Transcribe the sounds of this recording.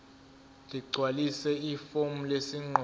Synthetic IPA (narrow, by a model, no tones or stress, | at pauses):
dʱiɡ͡ǀʱwalisɛifom̩lesiŋ͡ǃɔ